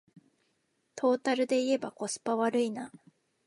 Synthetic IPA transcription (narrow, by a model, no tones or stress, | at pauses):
t̪ʰo̞ːt̪aɾɯ̟d̪e̞ie̞bako̞sɨ̥paβaɾɯ̟ina